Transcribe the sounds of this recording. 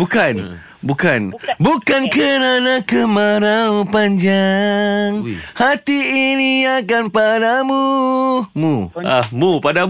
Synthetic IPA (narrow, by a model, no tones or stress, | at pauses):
bukan | bukanbukankəɾanãkəmaɾaupaɲd͡ʒa | ŋhat̪iːniakanpadamu | mũamupada